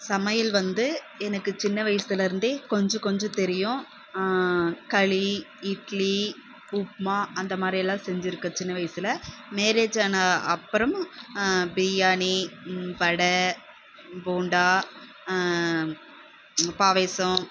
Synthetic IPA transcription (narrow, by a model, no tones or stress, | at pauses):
sɐmɐjɪlʋɐnd̪ɯ | ɛnɐkːɯt͡ʃɪnːɐʋɐjɐsɐɪlɪɾɯnd̪eːkɔɲd͡ʒɔ̃kɔɲd͡ʒɔ̃t̪ɛɾɪjʊ̃ | kɐɭi | ɪʈli | uːpmaːɐnd̪ɐmaːd̪ɾɪɛlːãːsɛɲd͡ʒɪɾɯkːɐt͡ʃɪnːɐʋɐjɐsɪlɐmeːɾeːt͡ʃːaːnɐɐpːɐɾɐm | bɪjaːɳipɐɽɐ | buːɳɖaː | paːʋeːsɐ̃